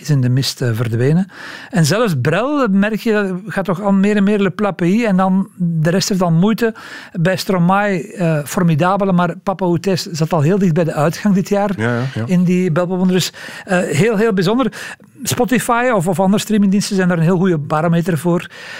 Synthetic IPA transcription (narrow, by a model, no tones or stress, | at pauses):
ɪzɪndəmɪstvərdʋeːnəɛnzɛləfsbrɛlˠmɛrkjədɑɣaːtːɔxɑlˠmeːɾɛnmeːrləplapəiɛndɑndəɾɛstheftɑlˠmujtə | bɛjstromajəːfɔrmidaːbələmaːrpɑpautɛszɑtɑlˠɦeːlˠdɪxt̚bɛjdəʔœɥtxɑŋdɪtʰjaːrɪndibɛlˠpɔpɔndədʏs | ɦeːlˠɦeːlˠbizɔndər | spɔtifajɔfɔfɑndəɾəstriːmɪŋdinstəzɛjndaɾəneːlɣujəbaɾomeːtərvoːr